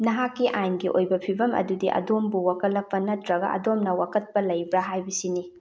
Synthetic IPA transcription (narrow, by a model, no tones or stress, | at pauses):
nɐɦakːiʔajmɡiʔojbɐpʰibɐmɐ̰dudiʔɐ̰dombuwakɐlːɐpːɐnɐtɾɐɡɐ̰ʔɐ̰domnɐwakɐt̚pɐlɐjbɾaɦajbisini